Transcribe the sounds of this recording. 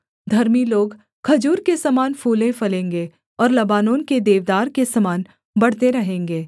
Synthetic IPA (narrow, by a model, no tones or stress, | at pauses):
d̪ʱɐɾmiloːɡ | kʰɐd͡ʒuːɾkesɐmaːnfuːlẽfɐlẽːŋɡe | ɔːɾlɐbaːnõːnked̪eːʋd̪aːɾkesɐmaːn | bɐɽ̤t̪eɾɐɦẽːŋɡeː